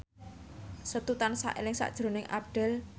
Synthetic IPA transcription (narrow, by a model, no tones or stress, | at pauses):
sət̪ut̪ansa̰ʔelɪŋsa̰ʔd̥ʒ̥ɾo̤nɪŋʔa̰p̚ɖ̥ɛ̤l